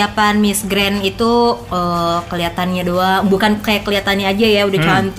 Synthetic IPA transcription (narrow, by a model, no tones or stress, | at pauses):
apanmisɡɾɛnit̪uəkəliat̪anɲadoabukankajakːəliat̪anɲaːd͡ʒajaudaht͡ʃant̪